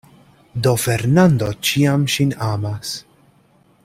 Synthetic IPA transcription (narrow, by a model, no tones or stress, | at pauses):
d̪ɔfɛɾnand̪ɔt͡ʃijɐmʃinaːmɐs